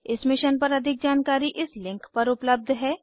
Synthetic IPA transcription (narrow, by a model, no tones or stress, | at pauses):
ɪsmɪʃənpɐɾɐd̪ʱɪk̚d͡ʒaːnkaːɾiʔɪslɪ̃ŋkpɐɾʊpləb̚d̪ʱɦɛː